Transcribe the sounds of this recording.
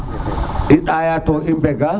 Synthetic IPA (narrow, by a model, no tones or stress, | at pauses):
ʔiɗaːjatɔʔimbɛɡa